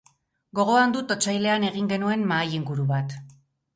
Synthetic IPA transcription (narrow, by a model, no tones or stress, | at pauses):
ɡo̞ɣo̞and̪ut̪o̞t͡sajle̞ane̞ɣ̞iŋɡe̞nue̞nmaːjiŋɡuɾuβat̪